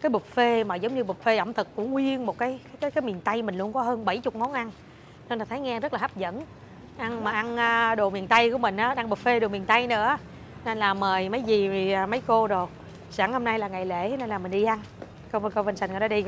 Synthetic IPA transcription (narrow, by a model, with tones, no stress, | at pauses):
kaː˨˦jɓu˨˩t̚fe˧maː˨˩zə˨˦ŋ͡mɲɨ˧ɓu˨˩t̚fe˧ʔə̰˧˩wŋ͡mt̪ʰɨ˨˩k̚kʊ̰˧˥ŋwi˧ənmo˨˩t̚kaː˨˦jka˨˦jkaː˨˦jkaː˨˦jmi˨˩ənt̪a˧jmï˨˩ŋ̟lu˧ənkɔ˨˦ɦəː˧nɓə˧˩jt͡ɕʊ˨˩k͡p̚ŋɔ˨˦nʔa˧n | ne˧nlaː˨˩t̪ʰaː˨˦jŋɛː˧zə˦˥t̚laː˨˩ha˦˥p̚zə̰˧˥n | ʔa˧nmaː˨˩ʔa˧nʔaː˧ɗo˨˩mi˨˩ənt̪a˧jku˧˩˦əmï˨˩ŋ̟ʔaː˨˦ɗaː˧ŋɓə˨˩t̚fe˧ɗo˨˩mi˨˩nt̪a˧jnɨ̰˧˥ə | ne˧nlaː˨˩mːəː˨˩jmə˨˦jzi˨˩i˨˩ʔaː˨˩mə˨˦jko˧zo˨˩ | saː˧˩ŋho˧mna˧jlaː˨˩ŋa˨˩jlḛ˧˩hi˨˦ne˧nlaː˨˩mï˨˩ŋ̟ɗi˧ʔa˧n | kə˧wkə˧və˧nsa˧˨˩ŋa˨˩ɗɗi˧